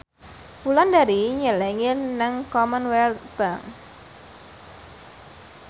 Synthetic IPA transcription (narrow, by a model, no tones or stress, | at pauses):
pulandaɾiɲəlɛŋɪnəŋkɔmənwɛlb̥aŋ